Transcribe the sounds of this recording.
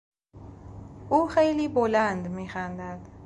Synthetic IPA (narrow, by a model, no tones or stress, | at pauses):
ʔuχejliboland̪mixand̪ad̪